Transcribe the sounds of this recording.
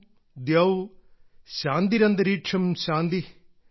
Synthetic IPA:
d̪jɐʋ | ɕaːnd̪iɾɐnd̪ɐɾiːʈʂʰɐmɕãːnd̪i

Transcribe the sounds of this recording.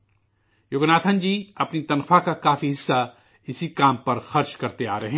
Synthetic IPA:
joɡnaːt̪ʰə̃nd͡ʒiːɐpnit̪ɐnxʰfakakaːfiɦɪsːa | ɪsikaːmpɐɾxɐɾt͡ʃkɐɾt̪ea̰ːɾɐɦẽ

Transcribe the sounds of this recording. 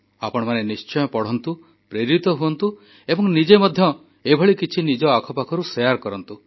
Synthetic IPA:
apɔɽ̃ɔmanenist͡ʃɔjɔpɔɽ̤ɔnt̪u | pɾeɾit̪ɔɦuɔnt̪u | ebɔŋnid͡ʒemɔd̪ʱjɔ | ebʱɔɭikit͡ʃʰinid͡ʒɔakʰɔpakʰɔɾusejaɾkɔɾɔnt̪u

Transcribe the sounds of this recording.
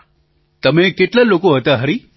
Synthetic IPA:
t̪əmẽkeʈlalokoɦət̪aɦəɾi

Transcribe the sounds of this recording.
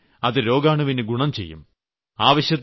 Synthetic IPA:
ɐðɨɾo̞ːɡaːɳuʋinɨɡuɳɐmt͡ɕe̞̰jːṵm | aːʋɐɕjɐt̪ː

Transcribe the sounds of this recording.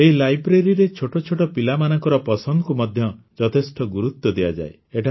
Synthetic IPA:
eɦilajbɾeɾiɾet͡ʃʰoʈɔt͡ʃʰoʈɔpilamanɔŋkɔɾɔpɔsɔnd̪ɔkumɔd̪ʱjɔ | d͡ʒɔt̪ʰesʈɔɡuɾut̪ːɔd̪ejad͡ʒa̰e | eʈʰa

